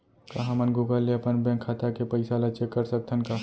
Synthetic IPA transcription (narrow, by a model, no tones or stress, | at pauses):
kɐɦãmənɡʱuɡaleɐpənbɛ̃ːŋkʰːat̪akepəɪsalɐt͡ʃekːəɾsək̚t̪ʰənka